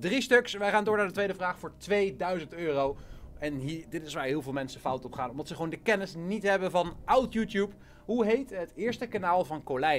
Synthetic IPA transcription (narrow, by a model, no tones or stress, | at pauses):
dristɵksʋɛjχaːndʊːɹnaːɹdətʋejdəvraːχfʊːɹtʋejdœɥzəntøːrowɛnɦidɪtɪsʋaːɹɦɪːlˠvɪːlˠmɛnsəfɑwtɔpχaːnɔmdɑtsəχəʋowndəkɛnɪsnitɦɛbənvɑnʔawtjutjup | ɦuɦejtɦətɪːɹstəkanaːlˠvɑnkolɛ